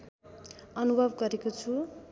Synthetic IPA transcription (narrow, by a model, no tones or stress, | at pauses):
ʌnubʱʌbɡʌɾekot͡sʰu